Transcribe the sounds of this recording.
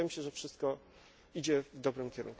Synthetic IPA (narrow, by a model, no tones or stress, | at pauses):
jɛmɕɛʐɛfʂɘst̪̚kɔ | id͡ʑɛvd̪ɔbɾɘmkʲɛɾṵŋk